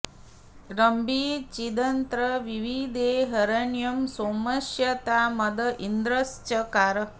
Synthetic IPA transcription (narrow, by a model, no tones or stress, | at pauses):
ɾɐmbʱit͡ʃid̪ɐnt̪ɾəʋiʋid̪eːɦɐɾɐɳjɐmsomɐʃjɐt̪aːmɐd̪ɐʔind̪ɾɐst͡ʃɐkaːɾə